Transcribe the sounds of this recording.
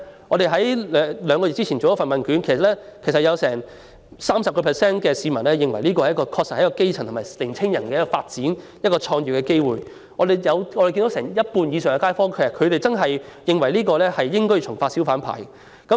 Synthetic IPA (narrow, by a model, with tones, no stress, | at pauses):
ŋɔː˨˧ɾe˨jɦɐ˨˥jɛ˧lœː˨˧ŋkɔ˧jtt͡siː˥t͡sʰi˨˩t͡so˨wjɐ˥fɐ˨nmɐ˨nkyː˨˥nkʰe˨˩sɐ˨t̚lɛ˥kʰe˨˩sɐ˨t̚jɐ˨˧wsɛ̰ː˨˩ŋ | saː˥msɐ˨p̚kɔː˧pʰɛː˨˩sɛː˥nkɛː˧siː˨˧mɐ˨˩nlɛː˥jɪ˨ŋwɐ˨˩jliː˥kɔː˧hjɐ˥kɔː˧kʰɔː˧t̚sɐ˨hɐ˧˥kɔː˧ke˥jt͡sʰɐ˨˩ŋt̪ʰmaː˨˩lɪ˨˩ŋt͡sʰɪ˥ŋjɐ˨˩nkɛ˧jɐ˥kːɔ˧faː˧t̚t͡siː˨˥n | jɐ˥kɔː˧t͡ʃʰɔː˧ŋjyː˨˩kɛː˧ke˥jwuː˨j | ŋɔː˧d̪e˨jjɐ˨˧wɔ˨˧ɾe˨˩ki˧ndo˨˥wsɛː˨˩ŋjɐ˥t̚puː˧njiː˨˧sœː˨˩ŋɛ˧kaː˥jfɔː˥ŋkʰe˨˩jɐ˨˩kʰɵ˨˧ɥɾe˨jt͡sɐ˥nɦɐ˨jjɪ˨ŋwɐ˨˩jliː˥kɔː˧lɛː˥hɐ˨jːɪ˥ŋkɔː˥jt͡ʃʰʊ˨˩ŋfaː˧t̚si˨˥wfaː˨˥npʰa̰ː˨˩j | kɐ˨˥m